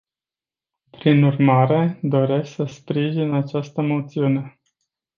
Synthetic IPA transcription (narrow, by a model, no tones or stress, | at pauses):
pɾinurmaɾe̞d̪o̞ɾe̞skʲsəspɾiʒinat͡ʃast̪əmo̞t̪siune̞